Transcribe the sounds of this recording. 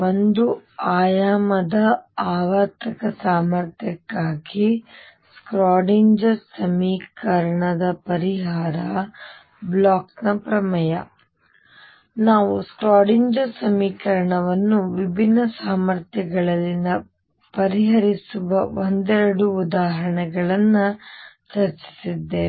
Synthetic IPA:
o̞nd̪uaːjaːmɐd̪ɐaːʋɐt̪ɐkɐsaːmɐɾt̪ʰjɐkːaːɡi | skɾaːɽiɲd͡ʒɐsɐmiːkɐɾɐɳɐd̪ɐpɐɾiɦaːɾɐ | blaːknɐpɾɐmɐjɐ | naːʋuskɾaːɽiɲd͡ʒɐsɐmiːkɐɾɐɳɐʋɐnːuʋibʱinːɐsaːmɐɾt̪jɐɡɐɭɐlːinɐ | pɐɾiɦɐɾisuʋɐʋond̪ɛɾɐɽuːd̪aːɦɐɾɐɳɛɡɐɭɐnːɐt͡ʃɐɾt͡ʃi̥sid̪ːeː

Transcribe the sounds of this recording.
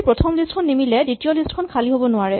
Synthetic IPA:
pɹɔtʰɔmlistkʰɔnːimilɛditiɔlistkʰɔnkʰaliɦobɔnʊaɹɛ

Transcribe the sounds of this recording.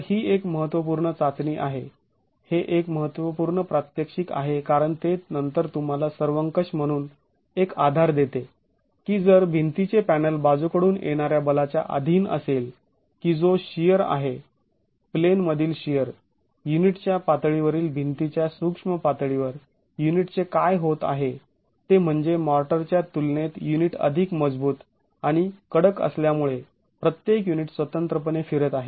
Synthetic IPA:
hiːekməɦət̪ʋəp̬uːɾɳət͡sat͡sniːʔa̰ɦe | heʔekməɦət̪ʋəpuːɾɳəpɾat̪jəkʂika̰ɦekaɾəɳt̪enənt̪əɾt̪um̤alasəɾʋəŋkəɕm̤əɽ̃uːn | ekad̪ʱaɾd̪et̪e | kiːd͡zəɾbʱint̪it͡sepænəlbad͡zukəɽuːnʔḛɽ̃aɾjabəlat͡ɕja̰ʔa̰d̪ʱiːnə̰sel | kiːd͡zoɕijəɾa̰ɦe | plenməd̪ʱiːlɕijəɾ | juniʈt͡ɕjapat̪ɭiʋəɾiːlbʱint̪it͡ɕjasukʂməpat̪ɭiʋəɾ | juniʈt͡sekajɦot̪a̰ɦe | t̪em̤əɳd͡zemɔɾʈəɾt͡ɕjat̪ulnet̪juniʈə̰d̪ʱikməd͡zbuːt̪ | aɽ̃ikəɽəkə̰sljamuɭe | pɾət̪jekjuniʈsʋət̪ənt̪ɾəpənefiɾət̪aɦe

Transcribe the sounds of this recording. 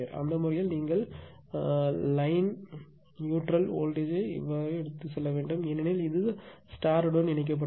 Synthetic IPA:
ɐʔɐ̰nd̪ɐmʊɾɐjɐlniːŋɡɐɭ | lɐɪn | juːʈɾɐlo̰ːlʈeːd͡ʒḛʋːɐɛɽɯt̪ːɯsɛlːɐʋeːɳɖɯmɛnːɐnɐjlɪðɯsʈaːɾɯɽɐnɪɳɪk̬ːɐp̬ːɐ

